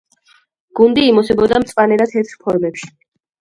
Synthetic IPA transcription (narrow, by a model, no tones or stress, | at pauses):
ɡ̥und̪iːmɔsɛbɔd̪amt̪sʼvʼanɛɾat̪ʰɛɾt̪ʰpʰɔɾmɛpʃi̥